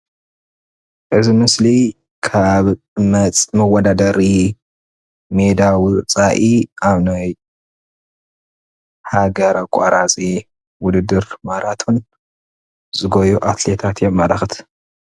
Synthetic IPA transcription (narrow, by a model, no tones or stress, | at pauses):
ʔɨzimɨsli | kʰaβ | mɐt͡sʼmɐwɐd̪ad̪ɐɾi | me̞d̪awʊt͡sʼaʔiaβnaj | haɡɐɾakʷʼːaɾat͡sʼi | wʊd̪ɨd̪ːɨɾmaɾat̪ʰun | zɨɡojuʔat̪le̞t̪ʰat̪jomːalaxɨt̪ʰ